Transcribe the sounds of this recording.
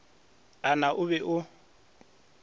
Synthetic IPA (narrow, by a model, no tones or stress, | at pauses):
anaʔʊβɛʔʊ